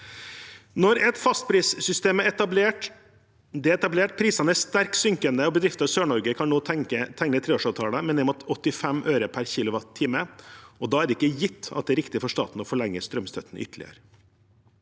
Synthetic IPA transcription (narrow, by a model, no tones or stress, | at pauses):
nɔɾɛt̪fɑst̪̚pʰɾiːssʏst̪eːmæɾɛt̪ɑbleːʈ | d̪ɛɛt̪ɑbleːʈpʰɾiːsɑnəæʂt̪æɾksʏŋkənd̪əɔbəd̪ɾɪft̪ɑsøːɳɔɾɡəkʰɑnnoːət̪ʰɛŋnət̪ʰɾeːoːʂɑːʋt̪ʰɑːləmɛnɛmɔt̪ɔt̪ːɪfɛmʔøːɾəpʰæɾçɪlʊʋɑt̪t̪ʰːɪːməʔɔd̪ɑːæɾɪkːəjɪt̪ːɑ̰t̪̚d̪ɛæɾɪkt̪ɪfɔʂt̪ɑ̰ːt̪n̩ɔfɔɭɛŋːəst̪ɾœmst̪ʰœt̪n̩ʔʏ̰t̪ːəlɪ̰ə̰ɾ